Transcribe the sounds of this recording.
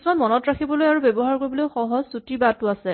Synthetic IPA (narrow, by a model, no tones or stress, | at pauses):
smanmɔnɔtɹakʰibɔlojaɹubebɔɦaɹkoɹibɔloxɔɦɔzsutibatʊasɛ